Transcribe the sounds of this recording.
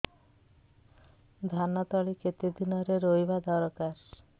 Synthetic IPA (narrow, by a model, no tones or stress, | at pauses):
d̪ʱanɔt̪ɔɭiket̪id̪inɔɾeɾojbad̪ɔɾɔkaɾ